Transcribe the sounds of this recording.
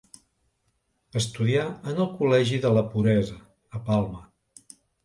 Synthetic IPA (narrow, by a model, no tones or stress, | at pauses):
əst̪uðiaənəlˠkulɛʒiðələpuɾɛzəː | palˠmə